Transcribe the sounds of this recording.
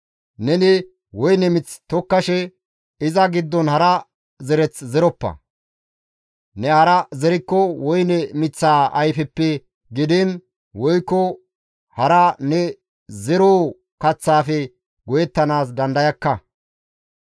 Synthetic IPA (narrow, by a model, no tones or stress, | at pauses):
nɛnɪ | wɔjnɛmɪt͡sːt̪ɔkːɐʃɛ | ɪzɐɡɪd̪ːɔnhɐɾɐ | zɛɾɛt͡szɛɾɔpːɐ̰ | nɛɐɾɐzɛɾɪkːɔwɔjnɛmɪt͡sːaːʔɐjfɛpːɛ | ɡɪd̪ɪn | wɔjkːɔ | hɐɾɐnɛ | zɛɾoː | kɐt͡sːaːfɛ | ɡɔjɛt̪ːɐnaːs̬d̪ɐnd̪ɐjɐkːɐ